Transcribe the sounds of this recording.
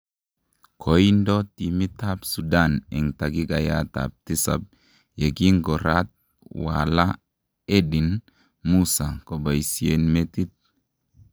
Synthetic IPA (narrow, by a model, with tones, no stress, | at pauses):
kʰo˨ji˦ndo˦ti˨mi˦ta˦bsu˨da˦˨nɛ˨ŋta˨ɡi˦ɡa˨ja˦ta̰˨p̚ti˦sa̰˨b̚ | je˨ɡi˦ŋɡo˨ɾa˦t̪̚ | wa̰˨la˦ | e˦ɗi˨n | mu˦sa˨ko˨ba˨jsi˨e˨nme˦ti˦t̪̚